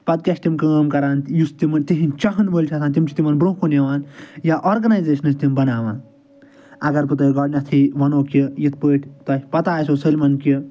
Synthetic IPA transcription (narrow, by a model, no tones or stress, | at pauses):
pɐd̪̚kʲaːsʈ̪ʲimkəːmkɐɾaːnjust̪imɐnt̪iɦint͡ʃɐɦɐnboːlʲt͡ʃʲʰɐsʰaːnt̪ʲimt͡ʃʰi̥t̪imɐnbɾũːkʰuneʋaːnjaʔoːɾɡɐnajzeːʃɐnɨst̪imbɐnaːʋãːn | ɐɡɐɾpɨt̪ɐɡɐɽnʲɐt̪ʰiʋɐnoːkijit̪ʰpəːʈʰʲt̪ɐsʲpɐt̪aːsoːsəlʲmɐnki